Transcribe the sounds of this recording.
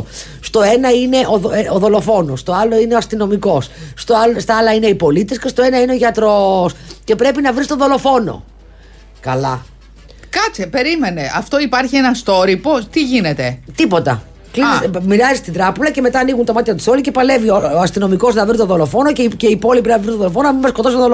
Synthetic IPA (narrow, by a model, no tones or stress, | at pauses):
st̪o̞enɐine̞ʔoðooðo̞lo̞fo̞nost̪o̞ɐlo̞ineoɐst̪ino̞miko̞sːt̪ost̪ɐɐlɐine̞ipo̞lit̪escest̪o̞e̞nɐineo̞ʝɐt̪ɾo̞sce̞pɾe̞pinɐvɾist̪o̞ðo̞lo̞fo̞no̞̰ | kɐlɐ | kɐt͡sipe̞ɾimeneʔɐft̪o̞ipɐɾçienɐst̪o̞ɾipot̪iʝinet̪e̞t̪ipo̞t̪ɐ̰ | klinismiɾɐzist̪id̪ɾɐpulɐce̞me̞t̪ɐːniɣunt̪ɐmɐt̪içɐt̪u̥so̞lice̞pɐle̞vioɐst̪ino̞miko̞znɐvɾit̪oðo̞lo̞fo̞noeceipo̞lipinnɐvist̪oðolofo̞noɐmimɐskot̪ost̪oðol